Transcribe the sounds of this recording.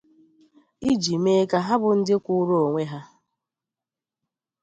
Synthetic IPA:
i˦d͡ʒi˨me˦ka˨ɦa˦bʊ˨n̩˦dɪ˦kʷʊ˦ɾo˦o˨ŋʷe˦ɦa˦

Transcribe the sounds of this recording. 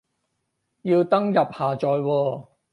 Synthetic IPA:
ji˧wt̪ɐ˥ŋjɐ˨p̚haː˨t͡ʃɔː˨jwɔː˧

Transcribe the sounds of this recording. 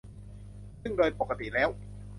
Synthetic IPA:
sŋdoː˧jpo˨˩kʰa˧t̪ḭ˨˩lɛː˦˥w

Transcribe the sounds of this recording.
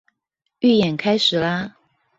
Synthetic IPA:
y˥˩jɛ˨˩nkʰa˥ɪʂɻ̩˨˩la˦

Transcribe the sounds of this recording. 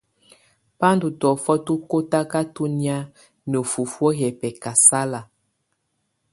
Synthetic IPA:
pa˦ndu˨tɔ˨fɔ˦tu˦ko˦ta˦ka˦tu˦ni˦a˦ | no˨fu˨fwɔ˦jɛ˨pɛ˨ka˨sa˦la˨

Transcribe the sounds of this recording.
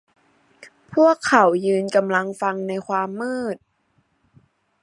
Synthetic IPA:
pʰu˥˩əkʰːa˨˩˦wjɯː˧nka˧mla˧ŋfa˧ŋna˧jkʰwaː˧mːɯː˥˩t̪̚

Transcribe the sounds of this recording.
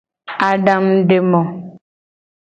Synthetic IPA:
a˨ɖa˦mɖe˨mɔ̃˨

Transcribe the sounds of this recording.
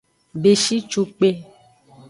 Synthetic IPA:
be˨ʃi˦t͡ʃo˨k͡pe˦

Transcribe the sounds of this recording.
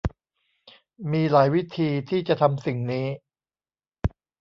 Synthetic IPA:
miː˧laː˩˦jwi˦˥t̪ʰiː˧t̪ʰiː˥˩t͡ɕa˨˩t̪ʰa˧msi˨˩ŋniː˦˥

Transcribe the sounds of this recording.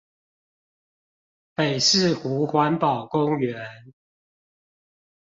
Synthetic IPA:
pe˨˩ɪʂɻ̩˥˨xu˨˥xwa˨˦npɑ˨˩ʊkʊ˦ŋɥɛ˨˦n

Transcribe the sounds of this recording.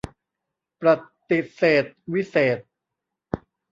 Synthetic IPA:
pɾa˨˩t̪ːi˨˩t̪̚seː˨˩t̪̚wi˦˥seː˨˩t̪̚

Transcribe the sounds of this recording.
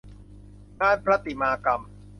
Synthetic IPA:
naː˥˩jpʰɾa˦˥t̪i˨˩maː˧ka˧m

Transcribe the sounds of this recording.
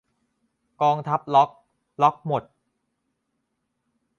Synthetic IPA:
kɔː˧ŋt̪ʰa˦˥p̚lɔ˦˥k̚ | lɔ˦˥k̚mo˨˩t̪̚

